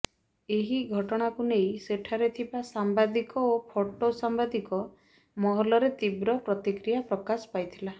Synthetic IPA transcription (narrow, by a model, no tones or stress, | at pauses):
eɦiɡʱɔʈɔɽ̃akunejseʈʰaɾet̪ʰibasambad̪ikɔopʰoʈosambad̪ikɔ | mɔɦɔlɔɾet̪ibɾɔpɾɔt̪ikɾijapɾɔkasɔ̥pajt̪ʰila